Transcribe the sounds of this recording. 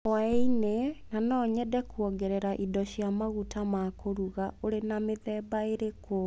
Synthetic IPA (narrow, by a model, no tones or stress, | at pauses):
einenanɔːɲɛdɛkwɔɡɛɾɛɾaʔidɔɕjamaɣutamakoɾuɣaoɾenameðɛːbaeɾeko